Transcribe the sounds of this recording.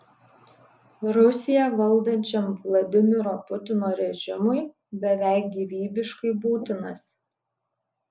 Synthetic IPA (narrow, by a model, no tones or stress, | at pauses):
ɾʊsʲɪjɛʋɐlˠˑd̪ɐnʲt͡ʃʲɛmʋlˠɐd̪ʲɪmʲɪɾoːpʊt̪ʲɪnoːɾʲɛʒʲɪmʊɪ | bʲɛʋʲæˑɪk̚ɡʲiʋʲiːbʲɪʃkɐɪbuːt̪ʲɪnɐs